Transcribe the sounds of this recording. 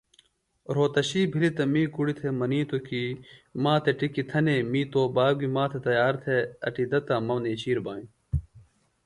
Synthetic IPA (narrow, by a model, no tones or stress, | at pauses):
ɾoːt̪ɐɕiːbʱilit̪ɐmĩːkuɽit̪ʰemɐniːt̪okimãːt̪ʰeʈikit̪ʰɐneːmiːt̪oːbaːɡimãːt̪ʰet̪ɐjaːɾt̪ʰeɐʈid̪ɐt̪ɐmɐmneːt͡ɕiːɾbaːĩ